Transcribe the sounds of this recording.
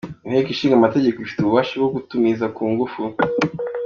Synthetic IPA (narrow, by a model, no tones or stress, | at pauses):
nhekiʃiːŋɡamate̞ɟekoifi̥tuβuβaːʃabɡoɡutumizakuːŋɡufu